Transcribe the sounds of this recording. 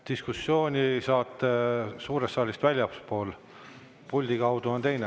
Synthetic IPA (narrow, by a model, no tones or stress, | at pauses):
t̪iskusːjo̞ːnʲisɑːt̪ːˑesuːɾest̪ːɑːlʲist̪vælʲjɑpspo̞ːl | pulʲd̪̥ikɑwd̪uont̪e̞jne